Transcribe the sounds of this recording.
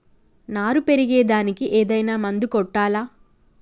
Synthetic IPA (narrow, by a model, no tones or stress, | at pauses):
naːɾupe̞ɾiɡɛːd̪aːnikiʔeːd̪ɐjnaːmɐnd̪ukɔʈːaːlaː